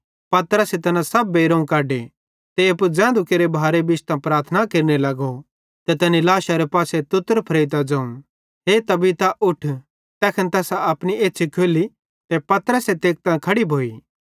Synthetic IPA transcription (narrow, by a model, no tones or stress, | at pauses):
pɐt̪ɾəset̪ɐnãsɐbːeːɾõːũkaːɖe | t̪eɐpud͡zɛ̃ːd̪ukeɾebʱaːɾebɪt͡ʃt̪ãpɾaːɾt̪ʰənakɐɾinelɐɡo | t̪et̪ɛːnilaːʃaɾepaːset̪ʊt̪əɾpʰɐɾeːɪt̪ad͡zɐ̃ːũ | ɦet̪ɐbit̪aʔʊʈʰ | t̪ɛːkʰənt̪ɛːsaɐpɽ̃ieːtːʃʰikʰeːli | t̪epɐt̪əɾəset̪eːk̚t̪ãkʰɐɽibʱoːiː